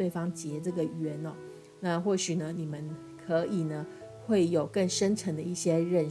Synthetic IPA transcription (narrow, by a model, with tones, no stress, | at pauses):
we˥˩ɪfɑ˥ŋt͡ɕjɛ˧˥ʈ͡ʂɤ˥˩ɡə˩ɥɛ˧˥nɔ˧˦ | na˥˧xwɔ˥˩ɕy˨˩nə˦ni˨˩mə˦n | kʰɤ˧˥ʔi˨˩nə˦ | xwe˥˩ɪjo˨˩ʊkə˥˩ŋʂə˥nʈ͡ʂʰə˧˥ŋd̪ə˧i˥˩ɕjɛ˥ɻə˥˩n